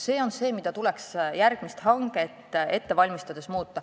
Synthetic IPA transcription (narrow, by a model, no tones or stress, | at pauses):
se̞ːo̞nse̞ːmid̪̥ɑt̪uleksjærɡ̥mist̪hɑŋɡet̪ːe̞t̪ːe̞vɑlʲmist̪ɑd̪̥e̞smuːt̪ːɑ